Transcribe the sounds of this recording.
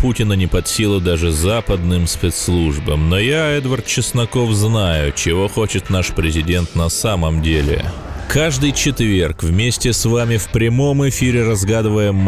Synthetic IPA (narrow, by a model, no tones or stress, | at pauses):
putʲɪnənʲɪpɐt̪sʲilˠəd̪aʐɨzapəd̪nɨmspʲɛt̪slˠuʐbəmnojaɛd̪vɐrt̪̚t͡ɕɪsnɐko̞fznajʊt͡ɕɪvo̞xo̞t͡ɕɪt̪naʂpɾʲɪzʲɪdʲe̞nt̪nɐsaməmdʲelʲɪ̰ | kʰaʐd̪ɨjt͡ɕɪt̪vʲerkvmʲesʲtʲɪsvamʲɪfpɾʲɪmo̞mɪfʲiɾʲɪɾɐzɡad̪ɨvəjɪm